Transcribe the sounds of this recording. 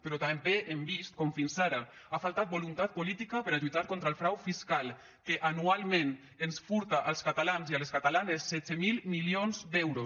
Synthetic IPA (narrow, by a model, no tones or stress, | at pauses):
peɾɔt̪ambeʔembist̪̚kɔmfinsaɾa | afalˠt̪at̪̚bolunt̪at̪̚polit̪ikapəɾaʎuit̪aɾkont̪ɾalˠfɾawfiskalˠ | keʔanualˠmen | ensfuɾt̪aʔalˠskat̪alanzialeskat̪alanesːɛt͡semilmilionzd̪ɛwɾos